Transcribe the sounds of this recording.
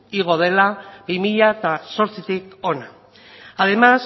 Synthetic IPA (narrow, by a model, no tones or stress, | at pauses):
iɣ̞o̞ð̞e̞labimiʎaet̪aso̞ɾt͡sit̪iko̞na | aðe̞mas